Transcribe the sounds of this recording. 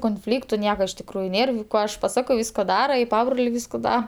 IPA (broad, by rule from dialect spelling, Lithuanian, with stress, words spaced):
koːnʲˈfʲlʲiːktʊ ˈnʲiɛkɐ ɪʃ tʲɪkˈruːjʊ ˈnʲeːr ˈkoː ɐʃ pɐˈsɑːkoː ˈʋʲiːskoː ˈdɑːrɐ ɪ ˈpɑːbroːlʲeː ˈʋʲiːskoː ˈdɐ